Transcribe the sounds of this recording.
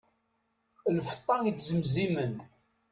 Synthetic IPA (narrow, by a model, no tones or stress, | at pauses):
lfə̥t̪ˤːɑŋjət͡sːzəmzimən